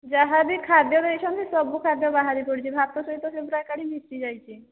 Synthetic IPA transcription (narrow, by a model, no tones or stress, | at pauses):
d͡ʒaɦabikʰad̪jɔɾeʃʰɔnt̪isɔbukʰad̪jɔbaɦaɾipɔɽit͡ʃʰibʱap̚t̪ɔsɔɦit̪ɔsebuɾakaɽimisʈid͡ʒajt͡ʃʰi